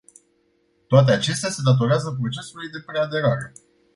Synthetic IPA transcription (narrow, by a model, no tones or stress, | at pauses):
t̪oat̪̬e̞at͡ʃe̞st̪ease̞d̪at̪̬o̞ɾeazəp̬ɾo̞t͡ʃe̞sulujd̪e̞pɾe̞ad̪e̞ɾaɾe̞